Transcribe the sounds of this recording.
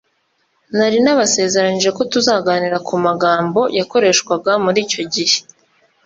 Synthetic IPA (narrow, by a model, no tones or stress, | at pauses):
naɾinaβase̞ːze̞ɾaniʒe̞ko̞tuzaːɡaːniɾakʰumaɡaːmbo̞jako̞ɾe̞ːʃkwaɡamuɾiːco̞ɟihe̞̥